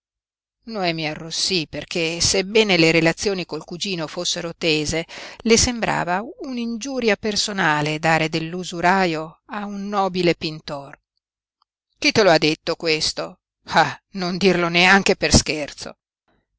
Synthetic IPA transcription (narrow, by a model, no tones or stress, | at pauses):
noɛmiarːosːiperkʰesebɛːneleɾelat̪sːjoːnikolkud͡ʒiːnofosːeɾot̪eːzelesembɾa̰ːvaunind͡ʒuːɾjapersonaːled̪aːɾed̪elːuzuɾaːjoaunːɔːbilepint̪or | k̟it̪ːeload̪ːet̪ːokwest̪o | anond̪irloneaŋk̟epersk̟ert̪so̰